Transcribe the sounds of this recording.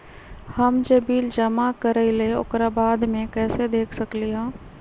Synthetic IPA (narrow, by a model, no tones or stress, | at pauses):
hɐmd͡ʒɐbiːld͡ʒɐmakəɾəileʊ̰kɾaːbaːd̪mẽkɛːsed̪eːkʰsɐkliɦɛ̃ː